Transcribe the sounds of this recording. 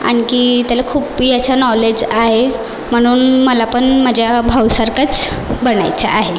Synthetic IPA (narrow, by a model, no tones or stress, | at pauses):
a̰ɽ̃ikiːt̪jalakʰuːpijat͡ɕanɔled͡ʑaɦe | m̤əɽ̃uːnməlapəɳmad͡ʑʱjabʱawsaɾkat͡s | bəɳa̰jt͡sa̰ʔaɦe